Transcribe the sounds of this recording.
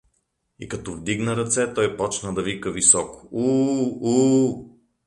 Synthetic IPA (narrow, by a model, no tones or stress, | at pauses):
ḭkɐt̪ɔvd̪iɡnəɾɐt̪sɛt̪ɔjpɔt͡ʃnəd̪ɐvikəvisɔkʊ̥uu